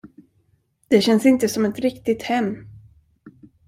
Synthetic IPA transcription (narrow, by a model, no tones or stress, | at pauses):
d̪̥ɛɕɛnsɪnt̪əsɔmɛt̪ɾɪkt̪ɪt̪hɛmː